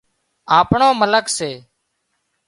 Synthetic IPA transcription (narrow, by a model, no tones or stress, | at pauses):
aːpɳoːmələkseː